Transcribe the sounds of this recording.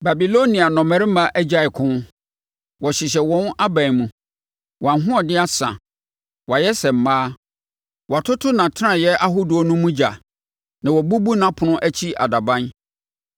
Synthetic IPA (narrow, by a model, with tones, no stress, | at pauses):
ba˨bi˨lo˦nĩ˨a˨nɔ̃˨mɛ̃˦ɾɪ˦mã˦ʔɛ˦d͡ʑa˦˨ɪ˨kʰʊ̃˦n˦ | wɔ˨ɕɪ˨ɕ̬ɛ˨wɔ̃˦na˦bã˨nmũ˨ | wʔɔ˨ã˨nɦʊ̃˦ɔ˨dɪ˦a˦sã̰˨ | wa˨jɛ˦sɛ˨m̩˨maː˦ | wa˨tʰʊ˦tʰʊ˦nã˨tʰɪ˦ã˨jɛ˦ʔa˦ɦu˦du˨ɔ˦nũ˦mũ˦d͡ʑa˨ | nã˨wɔ˨bu˦bu˦nã˦pʰʊ˨nʊ̃˦ʔæ˦t͡ɕʰi˦a̰˨da˨bã˦n